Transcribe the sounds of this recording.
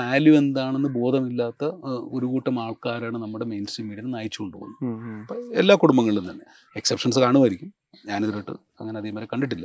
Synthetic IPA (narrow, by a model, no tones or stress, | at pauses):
aːljue̞nd̪aːɳe̞nːɨbo̞ːd̪ʱɐmilːaːt̪ːɐo̞ɾukuːʈːɐmaːɭkaːɾaːɳɨnɐmːuɽe̞me̞jnsʈriːmːiːɽinnaːjit͡ɕːukoɳɖɨpo̰ɣunːupːoelːaːkuɽumbɐŋːɐɭiɭunt̪ɐnːe | e̞ksepʂɐns̬ɨkaːɳuʋaːjiɾikʲːum | ɲaːneðiɾɐːʈːɨ̰ | ɐ̰ŋːɐne̞ɐðemɐlekɐɳɖiʈːilːɐ